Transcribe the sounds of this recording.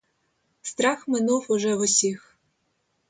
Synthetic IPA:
st̪ɾaxmɪnufʊʒɛʊsʲix

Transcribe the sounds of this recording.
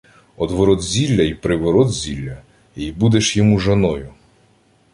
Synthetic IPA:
ɔd̪ʋɔɾɔd̪zʲilʲːɐipɾɪʋɔɾɔd̪zʲilʲːɐ | ibud̪eʃjɔmuʒɐnɔjʊ

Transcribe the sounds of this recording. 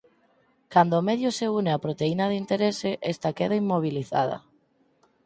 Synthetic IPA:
kand̪oːmeðjʊseuneapɾot̪einaðint̪eɾesɪʔest̪akeðaimːoβ̞iliθa̰ð̞ɐ̰

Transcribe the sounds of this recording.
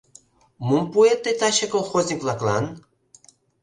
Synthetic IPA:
mumpuet̪ːet̪ɑɕekolˠxozʲnʲikvlˠɑklɑ̰n

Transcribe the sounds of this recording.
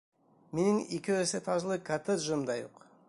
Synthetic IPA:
menɪŋikʲeweset̪ʰɑʒlˠəkʰat̪et̪ʒəmd̪ɑjo̰q

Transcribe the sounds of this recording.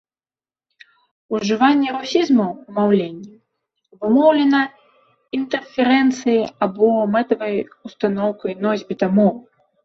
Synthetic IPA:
uʐɨvanʲːɛɾɔsʲizmɐwmawlʲenʲːɛ | vɨmɔwlʲɛnɐ | int̪ɛrfʲɛɾɛnt̪sɨjiabɔmɛt̪ɐvɐjust̪anɔwkɐjnɔzʲbʲit̪amu

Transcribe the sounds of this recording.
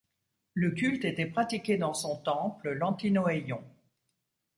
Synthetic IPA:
ləkʲylt̪et̪ɛpχat̪ikʲed̪ɑ̃sɔ̃t̪ɑ̃pləlɑ̃t̪inɔejɔ̃

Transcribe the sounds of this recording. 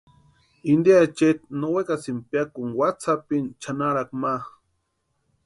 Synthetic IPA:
ind̪iat͡ʃet̪nowekasimpjakuŋwat͡sapint͡ʃanaɾak̚max

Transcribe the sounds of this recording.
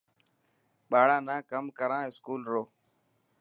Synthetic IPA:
ɓaːɽãːnãːkəmkəɾãːɪskuːlɾoː

